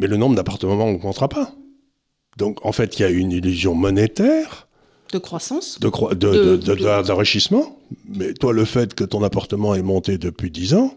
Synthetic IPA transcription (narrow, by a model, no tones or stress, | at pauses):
mɛlənɔ̃bʁəd̪apaʁt̪əmɑ̃mɑ̃nəkmɔ̃t̪ʁapa | d̪̥ɔ̃kɑ̃fɛt̪iljaynilyzjɔ̃mɔnet̪ɛːʁ | d̪̥əkχwasɑ̃sd̪əkχwad̪əd̪əd̪əd̪ɑ̃ʁiʃismɑ̃mɛt̪waləfɛt̪kət̪ɔ̃napaʁt̪əmɑ̃ɛmɔ̃t̪ed̪əpɥid̪izɑ̃